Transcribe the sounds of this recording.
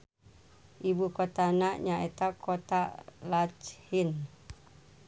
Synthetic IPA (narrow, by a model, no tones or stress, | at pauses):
ʔibukot̪anaʔɲaet̪akʰot̪alat͡ʃhin